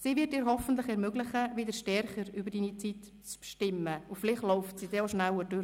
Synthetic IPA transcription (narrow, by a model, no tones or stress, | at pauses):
siːʋɪtiːɾɦɔfən̩tlɪχɛɾmøɡlɪχəʋɪd̪əɾʃtɛɾχəɾybəɾdiːnit͡sit | t͡spʃtɪmːəʊfɪlɪχtlɔʊftsiːd̥ɛːoʃnæwəd̥øɾə